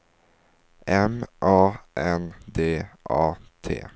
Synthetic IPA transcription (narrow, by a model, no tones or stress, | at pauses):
ɛmʔɑːʔɛnd̪eːʔɑːt̪ʰḛː